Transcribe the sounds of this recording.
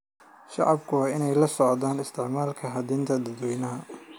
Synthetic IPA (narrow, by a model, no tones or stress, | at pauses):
ʃɑ̰ʕɑbkʰʊɑɪnɛjlɐsɔʕd̪aːnɪst̪ʰɪʕmaːlkʰɐɦɐd̪iːnt̪ʰɐd̪ɐd̪wɛjnɐɦɐ